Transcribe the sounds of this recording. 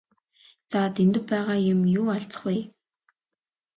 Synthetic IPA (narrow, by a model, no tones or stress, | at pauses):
t͡saːt̪ʰent̪ɘ̆ppæːʁaːjɪ̆mjuːaɬt͡sə̥̆χweː